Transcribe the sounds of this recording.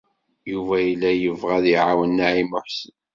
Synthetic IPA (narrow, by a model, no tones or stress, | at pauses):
juvæjəlːæjəvʁæðiʕawənːaʕimʊħsən